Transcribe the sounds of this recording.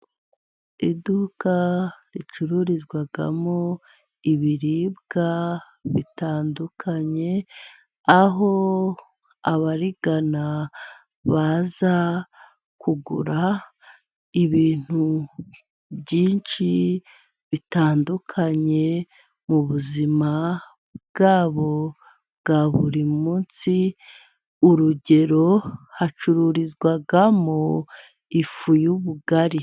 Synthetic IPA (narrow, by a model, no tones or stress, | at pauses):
idukaɾit͡ʃuɾuɾizɡwaɡa̰mo | iβiɾiːbɡa | βitaːndukʰaɲe̞ | aɦo̞ | aβaɾiɡ̥ana | βaza | kuɡṵɾa | iβiːn̥hu | bɟiːnʃi | βitaːndukʰaɲe̞ | muβuzima | bɡaːβo̞ | bɡaβuɾimuːnsi | uɾuɟe̞ɾo̞hat͡ʃuɾuɾizɡwaɡamo | ifujuβuɡaɾi